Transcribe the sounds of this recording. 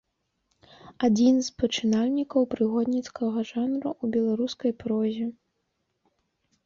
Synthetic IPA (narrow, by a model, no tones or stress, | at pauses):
ad͡zʲinzpɐt͡ʂɨnalʲnʲikɐwpɾɨɣɔd̪nʲit̪skɐɣɐʐanɾuʔubʲɛlˠaɾuskɐjpɾɔzʲɛ